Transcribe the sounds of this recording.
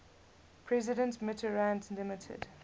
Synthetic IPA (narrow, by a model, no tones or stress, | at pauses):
pʰɹɛzɪdə̃ntmɪtʰəɹãntlɪmɪtʰə̰d̥